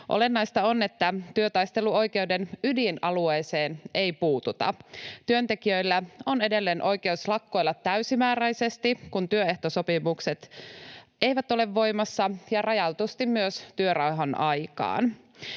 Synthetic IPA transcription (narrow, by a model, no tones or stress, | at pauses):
ʔo̰le̞nːɑjst̪ɑone̞t̪ːæt̪yøt̪ɑjst̪e̞luo̞jke̞udenydinɑlueːse̞ːne̞jpuːt̪ut̪ɑ̰t̪yønt̪e̞kiø̞jlːæo̞ne̞de̞lːe̞ːnʔo̞jke̞uslɑkːo̞jlːɑt̪æysimæːɾæjse̞st̪ikunt̪yøeht̪oso̞pimukset̪ | e̞jʋæt̪o̞le̞ʋːo̞jmɑsːɑjɑrɑjɑlt̪ust̪immyøst̪yøɾɑwɦɑnʔɑjkɑ̰ːn